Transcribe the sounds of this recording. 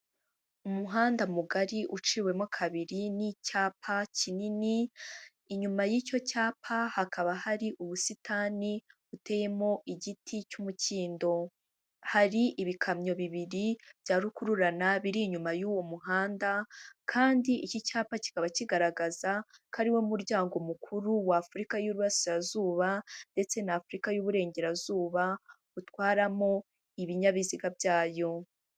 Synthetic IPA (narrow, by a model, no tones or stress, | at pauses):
umuɦaːndamuɡaɾiʔut͡ʃiwe̞mokʰaβiɾinicaːpʰacininiː | ɲumajiːco̞caːpʰahakʰaβahaɾiʔuβusitʰaːni | ute̞ːje̞mo̞ʔiɟitʰicumuciːndo̞ | haɾiʔiβikʰamɲo̞βiβiɾib̥jaːɾukuɾuɾanaβiɾiɲumajuːwo̞muɦaːndakʰaːndiicicaːpaci̥kaβaciɡaɾaɡazakʰaɾiwe̞muɾɟaːŋɡo̞mukʰuɾuwaːfuɾikajuɾuβasiɾazuːβande̞t͡se̞naːfuɾikajuβuɾe̞ːɲɟe̞ɾazuːβa | utwaːɾamo̞ | iβiɲaβiziɡabjaːjo̞